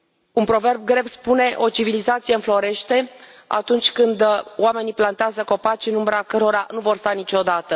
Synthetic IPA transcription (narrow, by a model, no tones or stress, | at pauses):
unpɾo̞ve̞rb̚ɡɾe̞vspune̞ʔo̞t͡ʃivilizat̪sijeɨnflo̞ɾe̞ʃt̪e̞a̰t̪unt͡ʃʲkɨnd̪oame̞niplant̪eazəko̞pat͡ʃɨnumbɾakəɾo̞ɾanuvo̞rst̪anit͡ʃo̞d̪at̪ə